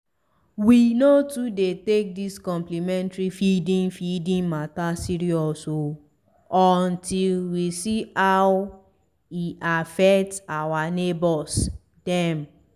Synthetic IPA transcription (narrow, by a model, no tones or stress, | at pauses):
winotudetek̚diskɔ̃mplimɛ̃ntɹifidĩnfidĩnmatasiɾiɔso | ɔ̃ntilwisiaw | iʔafɛktawanebɔs | d̥ɛm